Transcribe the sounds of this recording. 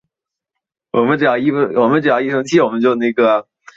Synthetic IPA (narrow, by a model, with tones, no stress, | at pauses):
wʔɔ˨˩mə˦nʈ͡ʂ̩˨˩jɑ˥˩ʊi˥˩˥wɔ˨˩mə˦nʈ͡ʂ̩˨˩jɑ˥˧ʊi˥ʂʰɤ˧˥ŋt͡ɕʰi˥˩wɔ˨˩mə˦nt͡ɕjo˥˧ʊn˥˩ɪɡə˩